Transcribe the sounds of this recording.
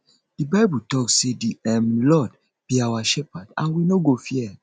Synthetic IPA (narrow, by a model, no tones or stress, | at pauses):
d̥ibaɪbutɔkssediɛmlɔd | beawaʃɛpadã̰nwinoɡofiɛ